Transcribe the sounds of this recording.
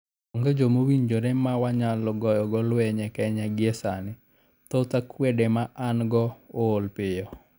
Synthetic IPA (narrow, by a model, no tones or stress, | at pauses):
oŋɡed͡ʒomowiɲd͡ʒoɾɛmawaɲalɔɡɔjɔɡɔlwɛɲɛkɛɲaɡɪesanɪ | t̪ɔt̪akwedemaʔanɡɔoːlpɪjɔ